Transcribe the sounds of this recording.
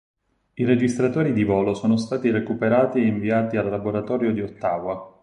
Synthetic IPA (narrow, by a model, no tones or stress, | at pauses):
iɾed͡ʒist̪ɾat̪oːɾid̪ivɔːlosoːnost̪aːt̪irekupeɾaːt̪ieiɱviaːt̪ialːaboɾat̪ɔːɾjod̪iot̪ːaːvwa